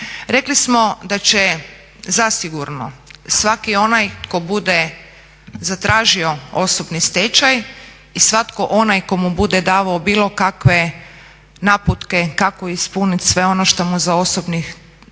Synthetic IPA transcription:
ɾeklismo̞d̪at͡ʃe | zasiɡuɾnosʋakio̞najko̞bud̪e | zat̪ɾaːʒio̞oso̞bnist̪et͡ʃaj | isʋat̪koʔo̞najko̞mubud̪ed̪aːʋaobiːlˠo̞kakʋe̞ | naput̪ke̞kakoispunit̪sʋe̞o̞noʃt̪omuzao̞sobnix

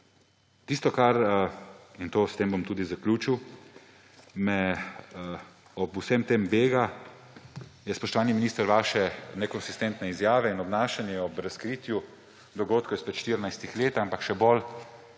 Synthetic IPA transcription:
t̪ist̪ɔkaɾ | int̪oːst̪eːmbɔmt̪uːd̪izaklʲuːt͡ʃiw | mɛ | ɔbusɛmt̪eːmbeːɡa | jɛspɔʃt̪ɔʋaːniminiːst̪əɾʋaːʃɛnɛkɔnsist̪ɛnt̪nɛizjaːʋɛinɔbnaːʃanjɛɔbɾaskɾiːt̪ju | d̪ɔɡoːt̪kɔispɛt̪ʃt̪iɾnajst̪ixleːt̪ampakʃɛbol

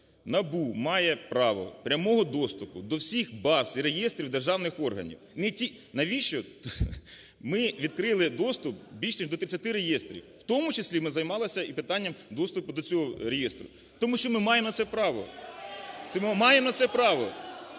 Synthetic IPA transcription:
nɐbumɑjɛpɾɑʋɔ̰pɾʲɐmɔɦɔd̪ɔst̪ʊpʊd̪ɔwsʲixbɑsiɾejest̪ɾʲiwd̪erʒɑwnɪxɔrɦɐ̰nʲḭwnɪtʲinɐʋʲiʃt͡ʃɔt̪ | mɪʋʲid̪kɾɪlˠɪd̪ɔst̪ʊp̚bʲilʲʃnʲiʒd̪ɔt̪ɾɪt͡sʲːɐt̪ɪɾejɛst̪ɾʲḭww̥t̪ɔmʊt͡ʃɪsʲlʲimɪzɐjmɑlˠɪsʲɐipɪt̪ɑnʲːɐmd̪ɔst̪ʊpʊd̪ɔt͡sʲɔɦɔɾejɛst̪ɾʊ | t̪ɔmuʃt͡ʃɔmɪmɑjemɔnɐtsɛpɾɑʋɔ̰ | t̪ɛmmɑjemnɐt̪sɛpɾɑʋɔ

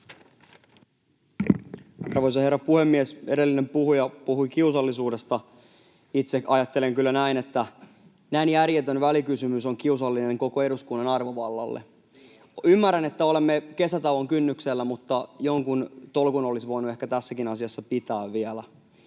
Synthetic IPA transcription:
ɑrʋo̞js̬ɑhe̞rːɑpuhe̞mːiese̞delːine̞mpuhujɑpuɦuikiusɑlːisuːde̞st̪ɑ | it̪sekɑjɑt̪ːe̞leŋkylːænæinet̪ːæ | næinjærjet̪ønʋælikysymyso̞ŋkiusɑlːine̞ŋko̞ko̞e̞ɾuskunːɑnɑrʋoʋɑlːɑ̰lːḛ | ymːæræne̞t̪ːæo̞le̞mːeke̞sæt̪ɑwʋoŋkynːykselːæmut̪ːɑjo̞ŋkunt̪o̞lkuno̞lisʋo̞jnue̞hkæt̪æsːækinɑsiɑsːɑpit̪æːʋːielæ

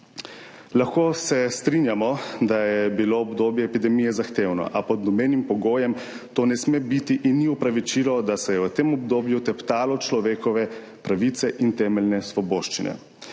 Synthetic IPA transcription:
laxkoːsɛst̪ɾinjamɔd̪ajɛbiloːɔbd̪oːbjɛːpid̪ɛmijɛzaxt̪eːwnɔ̰ʔapɔd̪nɔmeːnimpɔɡoːjɛm | t̪oːnɛsmebit̪iʔinːiupɾaʋit͡ʃilɔd̪asɛjɛʋət̪eːmɔbd̪oːbjut̪ɛpt̪aːlɔt͡ʃlɔʋeːkɔʋɛ | pɾaʋit̪sɛʔint̪ɛːmɛlnɛsʋɔboːʃt͡ʃinɛ̰

